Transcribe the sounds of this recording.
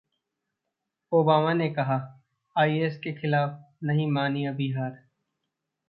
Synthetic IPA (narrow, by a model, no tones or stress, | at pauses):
oːbaːmanekɐɦa | aːieskexɪlaːf | nɐɦĩmaːniabiɦaːɾ